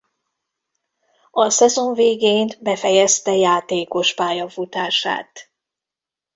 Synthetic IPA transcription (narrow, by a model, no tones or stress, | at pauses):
ɒsɛzo̞ɱveːɡeːnbɛfɛjɛst̪ɛjaːt̪eːko̞ʃpaːjɒfut̪aːʃa̰ːt̪